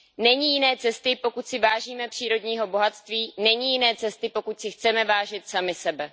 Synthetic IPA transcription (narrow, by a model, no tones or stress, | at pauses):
nɛɲijɪnɛːt͡sɛst̪ɪpo̞kucsɪvaːʒiːmɛpr̥iːɾo̞dɲiːɦo̞bo̞ɦat̪st̪viːnɛɲijɪnɛːt͡sɛst̪ɪpo̞kucsɪxt͡sɛmɛvaːʒɪt̪samɪsɛbɛ